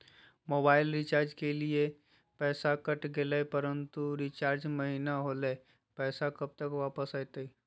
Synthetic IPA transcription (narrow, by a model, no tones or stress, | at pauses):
moːbaːɪlɾit͡ʃaːɾd͡ʒkelie | pɛːsakəʈɡeləpəɾənt̪uɾit͡ʃaːɾd͡ʒməɦinaɦole | pɛːsakəb̚t̪əkʋaːpəsat̪əi